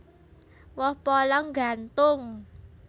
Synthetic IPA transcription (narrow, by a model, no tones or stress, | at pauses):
wɔhpɔlɔŋɡant̪ʊŋ